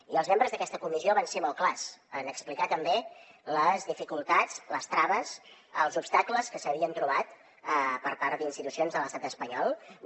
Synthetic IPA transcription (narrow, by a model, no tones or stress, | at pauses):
iəlˠzmembɾəzðəkɛst̪əkumizioβansemɔlˠklasənəksplikat̪əmbeləzðifikulˠt̪at͡sləst̪ɾaβəs | əlˠzupst̪akləskəsəβiənt̪ɾuβat̪ | əpəɾpaɾd̪inst̪it̪usionzðələst̪at̪əspəɲɔlˠ